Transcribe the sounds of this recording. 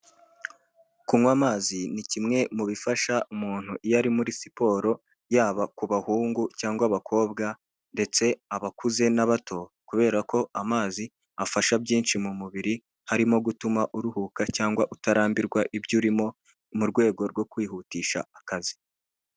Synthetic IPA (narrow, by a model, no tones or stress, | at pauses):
kumwamaːzinicimŋe̞muβifaʃaumuːn̥huʔijaɾimuɾisi̥po̞ːɾo̞ | jaːβakuβahuːŋɡucaːŋɡwaβakʰo̞ːbɡa | nde̞t͡se̞aβakuze̞naβatʰo̞kuβe̞ːɾako̞ʔamaːzi | afaʃabjiːnʃimumuβiɾi | haɾimo̞ɡutumaʔuɾuhukacaːŋɡwaʔutaɾaːmbiɾɡwaʔibjuɾimo̞ | muɾɡwe̞ːɡo̞ɾɡwo̞kwiːhutiːʃa̰ːkazi̥